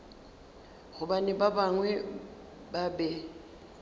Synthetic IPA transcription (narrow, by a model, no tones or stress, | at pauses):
ɣʊbanɛbabaŋwɛ | babɛ